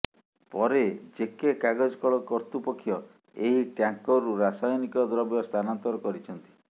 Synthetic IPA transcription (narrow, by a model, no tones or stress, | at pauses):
pɔɾed͡ʒekekaɡɔd͡ʒɔkɔɭɔkɔɾt̪upɔkʰːjɔ | eɦiʈjaŋkɔɾuɾasajɔnikɔd̪ɾɔbjɔst̪ʰanɔnt̪ɔɾɔkɔɾit͡ʃʰɔnt̪i̥